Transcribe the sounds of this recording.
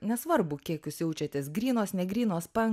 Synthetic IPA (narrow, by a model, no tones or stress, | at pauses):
nʲɛsʋɐɾbʊkʲiɛkjʊsʲjɛʊt͡ʃʲɛt̪ʲɪsɡɾʲiːnoːsnʲɛɡɾʲiːnoːspɐŋ